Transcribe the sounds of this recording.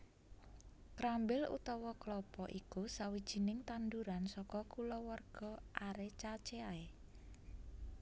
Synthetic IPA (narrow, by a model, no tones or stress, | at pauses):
pɾambɪlṵt̪ɔwɔklɔpɔʔikusawid̥ʒ̥i̤nɪŋt̪and̪uɾansɔkɔkulɔwarɡ̥ɔ̤ʔaɾet͡ʃat͡ʃeae